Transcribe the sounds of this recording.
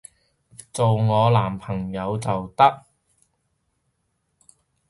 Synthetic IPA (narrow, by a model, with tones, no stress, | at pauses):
t͡so˨wŋɔː˨˧laː˨˩mpʰɐ˨˩ŋjɐ˨˧wt͡sɐ˨wt̪ɐ˥k̚